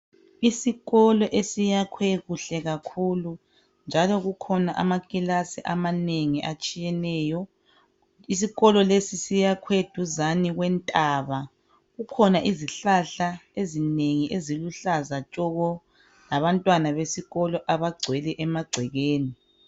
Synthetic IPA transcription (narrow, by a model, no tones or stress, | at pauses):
isiɣɔlɔʔesijakʰweɣuɬɛɣakʰulu | nd͡ʒʱalɔɣukʰɔnaʔamakʼilasiʔamaneŋiʔat͡ʃʼijɛnɛjɔ | is̬iɣɔlɔlesisijakʰwed̥ʱuzaniɣwɛntʼaβa | ɣukʰɔnaʔiziɬaɬaezineŋiʔeziluɬazat͡ʃʼɔɣɔ | laβantʼwanaβesiɣɔlɔʔaβaɡ͡ǀʱwɛlɛʔɛmaɡ͡ǀʱwɛɣeːni